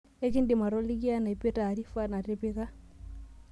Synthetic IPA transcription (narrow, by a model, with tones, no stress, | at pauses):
e˦ki˦ndi˨ma˨ɾɔ˦li˦ɡi˦a˦na˨pe˦ta˨ɾi˦fa˦na˨te˦pi˦ka˦